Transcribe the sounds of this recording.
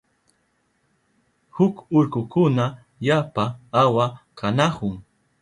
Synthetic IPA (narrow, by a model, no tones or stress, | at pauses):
hʊkʊɾkʊkʊna | japaawakanahʊŋ